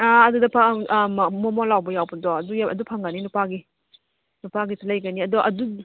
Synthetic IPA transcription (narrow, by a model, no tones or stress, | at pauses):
aɐdudɐpʰammɔmɔlawbɐjawbɐdɔɐdujaɐ̰dupʰaŋɡaninupaɡi | nupaɡitlɐjɡaniɐdɔʔɐ̰du